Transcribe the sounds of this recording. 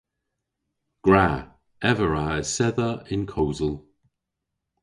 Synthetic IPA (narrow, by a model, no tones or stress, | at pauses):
ɡ̥ɹa | ɛvəɹaəsɛðəɪnkʰoːzəlˠ